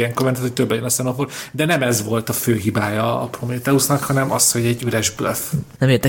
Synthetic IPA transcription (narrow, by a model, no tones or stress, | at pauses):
ɛŋkormɛnt̪at̪hoc̚ʲt̪øbːɛjønɒsɛnoford̪ɛnɛmɛzʋo̞lt̪ɒføːɦibaːjɒ̰ːpromeːt̪ɛusnɒkhɒnɛmʔɒsho̞ɟɛɟːyɾɛʒbløfnɛmeːrd̪ɛ